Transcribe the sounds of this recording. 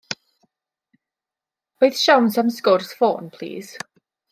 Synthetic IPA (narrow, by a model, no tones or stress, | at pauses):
b̥eɨθʃawnsamskɔrsfɔ̰ːnpʰl̥ˠḭːz̥